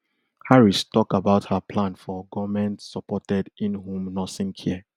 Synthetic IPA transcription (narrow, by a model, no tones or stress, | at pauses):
haɹistɔkabaʊthapʰlãnfɔɡɔvmɛ̃ntsɔpɔtɛdĩnɦũmnɔsĩnkʰiɛ